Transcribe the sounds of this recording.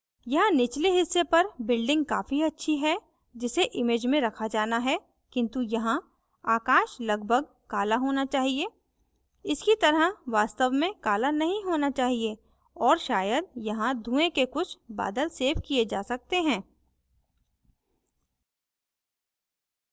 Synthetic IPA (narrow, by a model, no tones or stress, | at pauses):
jɐɦãnɪt͡ʃleɦɪsːepɐɾbɪlɖɪ̃ŋɡ̚kaːfiɐtːʃʰiɦɛ | d͡ʒɪseʔɪmeːd͡ʒmẽɾɐkʰad͡ʒaːnaɦɛ | kɪ̃nt̪ujɐɦã | aːkãːʃlɐɡbʱəɡ̚ | kaːlaɦoːnat͡ʃaːɦie | ɪskit̪ɐɾəɦʋaːst̪əʋmẽkaːlanɐɦĩɦoːnat͡ʃaːɦie | ɔːɾʃaːjəd̪̚jɐɦãd̪ʱũːẽkekʊt͡ʃʰba̰ːd̪əlseːfkied͡ʒaːsɐk̚t̪eɦɛ̃ː